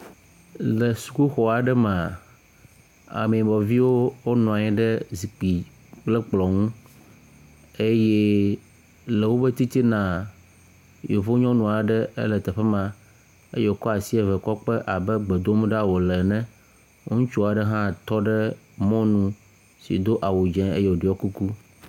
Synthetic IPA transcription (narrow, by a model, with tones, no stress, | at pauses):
lɛ˨su̥˨ku˦xɔ˨a˨ɖɛ˦mã˨ | a̰˨mẽ˨ĩ˨bɔ˨vi˦wo˦wo˦nɔ̃˨a˨ɲɛ̃˦ɖɛ˦zi˨k͡pi˨ | k͡plɛ˦k͡plɔ˨ŋũ˦ | e˦jɛ˦ | le˨wo˦be˦t̪i˦t̪i˦nã˨ | jo˨vo˦ɲɔ̃˦nũ˨a˨ɖɛ˦ḛ˦lɛ˨t̪ɛ˨ɸɛ˦mã˨ | ḛ˦je˦o˨kɔ˦a˨si˦e˦vɛ˨kɔ˦k͡pɛ˦ʔa˨bɛ˦ɡ͡be˨d̪o˦m̃˦ɖa˦wo˨lɛ˨nɛ̃˦ | wo˦ŋũ˦t͡ʃu˦a˨ɖɛ˦ɦã˦˨t̪ɔ˦ɖɛ˦ | mɔ̃˦nũ˦ | sḭ˨d̪o˦ʔa˨wu˨d͡ʒɛ̃˦e˦je˦wo˨ɖe˨˦ɔ˦ku˦ku˦